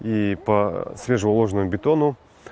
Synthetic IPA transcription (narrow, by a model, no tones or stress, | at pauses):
ipɐsvʲe̞ʐəʊlˠo̞ʐənəmʊbʲɪt̪o̞nʊ